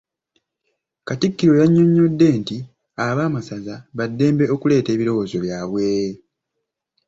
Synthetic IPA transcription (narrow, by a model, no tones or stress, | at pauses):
katikːiɾo̞jaɲːo̞ɲːo̞dːe̞ːnti | aβaːmasazaβadːe̞ːmbe̞o̞kule̞ːte̞ːβiɾo̞wo̞ːzo̞βjaːβwe̞ː